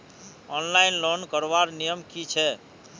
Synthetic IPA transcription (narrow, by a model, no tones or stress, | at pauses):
ɔnlainlonkəɾʋaɾnijəmkit͡ʃʰɛ